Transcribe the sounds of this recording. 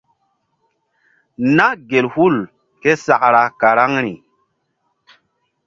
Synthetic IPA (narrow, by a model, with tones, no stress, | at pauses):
na˦ɡe˨lhu˦˨l | ke˦sa˨kɾa˨ka˨ɾa˦ŋɾi˨